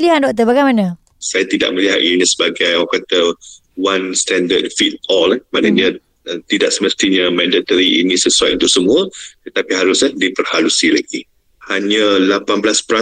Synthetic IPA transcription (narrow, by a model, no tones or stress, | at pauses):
liɦan̚dɔʔ̚t̪̬əbaɡajmana | sajat̪ida̰ʔ̚məliɦat̪iɲəsəbaɡajɔkat̪ə | wanst̪ɛndət̚fit̪̚ɔləmãʔnəɲə | t̪idaʔsəməst̪iɲəmɛ̃ndat̪əɾiinĩsəsuat̪unt̪ʊʔsəmũət̪ət̪apiɦaɾʊsədipərhalusilaɡi | haɲəlapanblaspəɾa